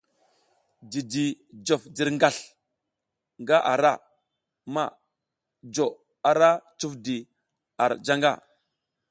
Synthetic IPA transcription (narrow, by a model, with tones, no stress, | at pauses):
di˨di˨d͡ʒo˨fdi˨ɾŋɡa˨ɬ | ŋɡa˦ʔa˨ɾa˦˨ | ma˦˨ | d͡ʒo˨ | a˨ɾa˦t͡ʃu˦fdi˨ | a˨ɾd͡ʒa˦ŋɡa̰˦˨